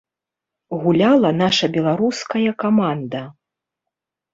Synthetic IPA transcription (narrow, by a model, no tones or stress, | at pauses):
ɣulʲalˠɐnaʂɐbʲɛlˠaɾuskɐjɐkamand̪ɐ